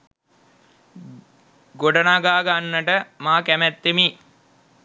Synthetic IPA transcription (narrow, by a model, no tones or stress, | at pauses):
ɡoɖənaɡaːɡanːəʈəmaːkæmæt̪ːemi